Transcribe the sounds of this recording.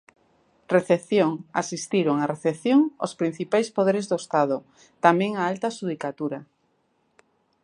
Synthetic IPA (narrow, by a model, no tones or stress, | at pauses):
reθeθjoŋasist̪iɾoŋareθeθjoŋospɾin̟θipajspoðeɾezðoest̪að̞o | t̪amɛ̃ŋaalt̪aʃuð̞ikat̪uɾa